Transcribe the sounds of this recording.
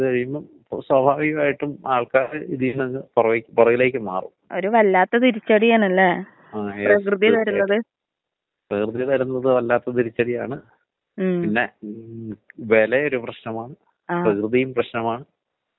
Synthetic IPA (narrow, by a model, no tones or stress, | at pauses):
iðɨʋɐɾijumːɐpːswɐbʱaːʋiɣɐmaːjiʈːumaːɭkaːɾɨiðijunɐŋːɐpurɐʋikʲːpurɐʋile̞ːk̬ʲːɨmaːrṵmo̞ɾuʋɐlːaːt̪ːɐt̪iɾit͡ɕːɐɽijaːɳɐlːe | aːprɐkrɨðijɐt̪ɐɾunːɐðɨ | prɐkrɨðijɐt̪ɐɾunːɐðɨʋɐlːaːt̪ːɐt̪iɾit͡ɕːɐɽijaːɳɨ | inːe̞ | ʋe̞ːleo̞ɾuprɐɕnɐmaːɳɨ | arɐkrɨðijumprɐɕnɐmaːɳɨ